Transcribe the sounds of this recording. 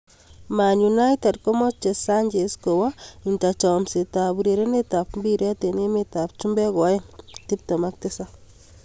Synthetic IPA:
ma˨ɲunajte˨dkɔ˦mɔ˦t͡ʃe˨sa˦ɲd͡ʒesko˨wainta˨t͡ʃɔmse˨tabuɾe˨ɾe˦netapmbiɾɛ˦te˨ne˦metap̚t͡ʃumbɛ˦kɔ˨jɛ˦ti˦p̚tɔ˨mak̚tesa

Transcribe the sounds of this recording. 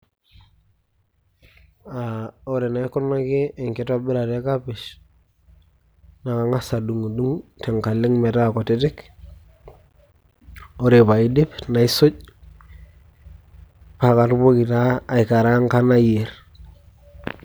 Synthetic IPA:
ao˦ɾe˨na˦i˦kɔ˦na˦keː˦˨ŋke˨ta˦bi˦ɾa˨te˦ka˦piʃ | na˨ka˨ŋa˦sa˨du˨ŋa˨du˦ŋte˨ŋka˨li˦ŋme˨ta˦ko˨te˦te˦k | oɾe˨pa˨i˦di˦pna˨i˦so˦ɟ̚ | pa˨ka˨tbo˦ki˨taː˦˨ika˨ɾa˦ŋka˦na˦jeɾ

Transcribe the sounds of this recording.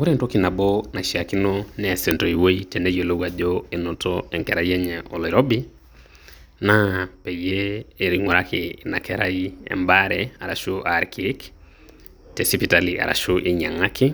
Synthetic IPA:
o˦ɾento˦kina˨bɔna˨ʃia˨ki˦nɔnɛasɛ˨ntɔ˨i˨wo˦itɛ˨nɛ˦jo˨lo˦wa˨ʄɔenɔ˨tɔɛŋkɛɾa˨iɛ˦ɲɛʔɔ˨li˨ɾɔ˦bi˦ | napɛ˨jeːɾiŋɔɾakɪna̰˨kʰɛɾaiɛ̰˨mbaɾɛa˨ɾa˨ʃuʔaɾkik | tɛ˨sipi˨talia̰˨ɾa̰˨ʃuʔeɲa˨ŋa˦ki˦

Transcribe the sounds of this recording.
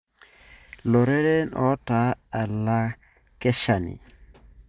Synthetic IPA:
lo˨ɾe˦ɾe˦nɔ̰˨˦ta˨˦a˨la˦ | kɛ˦ʃa˨nḭ˨

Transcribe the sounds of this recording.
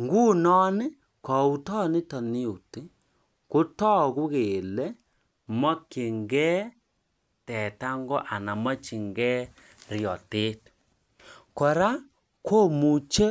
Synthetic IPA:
ŋɡu˦nɔ˦nɪ˦ | kɔ˨u˨tɔ˦nɪ˦tɔ˨ni˦u˨ti˦ | ku˦tɔ˦ku˦ɣe˨le˦ | ma˦ki˨ŋɡɛ˦ | tɛ˨ta˦ŋɡɔ˦ʔa˨na˨ma˦t͡ʃi˨ŋɡɛ˦ | rjɔ˨te˦t | kɔ˨ɾa˦ | kʰo˦mu˨t͡ʃe˦

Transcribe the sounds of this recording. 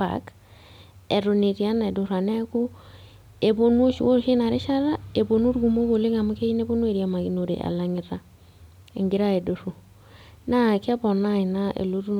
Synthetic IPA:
pa̰˨k | e˨ɾo˨ne˨ɾi˨a˦na˨e˨do˨ɾa˨nɛ˦ku˦ | e˨bo˦nwo˦ʃu˨wo˦ɾʃi˦na˨ɾḛ˦ʃa˦ɾa˦e˨bo˨nu˦ɾɡu˨mo˦ko˨li˦ŋa˨mu˦ke˦i˦ne˦bo˦nu˦e˦˨ɾja˨ma˨ki˨no˨ɾḛ˨ʔa̰˨la˨ŋɪ˨ɾa˦ | ḛ˨ŋɡi˦ɾa˦e˨do˨ɾu˨ | na˦kɛ˦bɔ˨na˦i˨na˦ʔḛ˨lo˦ɾu˦

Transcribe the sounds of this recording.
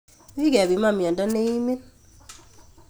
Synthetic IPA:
wi˦kɛ˨βi˨˦ma˦˨mjɔ˨ndɔ˦ne˦i˦mi˦n

